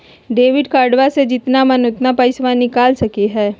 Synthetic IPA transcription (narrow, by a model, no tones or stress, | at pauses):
ɖeːʋɪɖkaːɾɖʋased͡ʒɪt̪namɐnʊt̪napəɪsʋãnɪkaːlsɐkeɦɛː